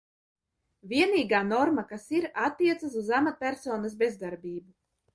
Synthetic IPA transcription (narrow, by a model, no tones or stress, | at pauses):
vʲiɛniːɡaːnɔɾmakasiɾat̪ːiɛt̪sas̬uzamat̪̚pʲæɾsoːnasbʲezd̪aɾbʲiːbu